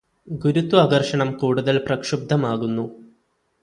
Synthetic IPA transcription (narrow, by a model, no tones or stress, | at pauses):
ɡuɾut̪ːuɐɣɐrʂɐɳɐmkuːɽuðɐlprɐkʂub̚d̪ʱɐmaːɣunːu